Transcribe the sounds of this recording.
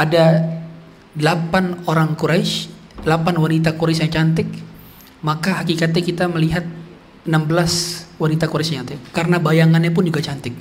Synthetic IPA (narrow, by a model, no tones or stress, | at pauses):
ada | dəlapanoɾaŋkuɾaɪʃ | dəlapanwanit̪akuɾasjaŋt͡ʃant̪ɪk | makaɦakikat̪ɛkit̪aməliɦat̪̚ | ənambəlaswanit̪akuɾasjaɲt͡ʃant̪ɪkːaɾənabajaŋanɲapʊnd͡ʒuɡat͡ʃant̪ɪk̚